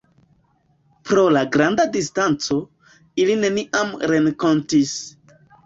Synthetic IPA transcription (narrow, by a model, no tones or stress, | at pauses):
pɾo̞laɡɾandadistant͡so̞ | iline̞niʔamɾe̞ŋko̞ntis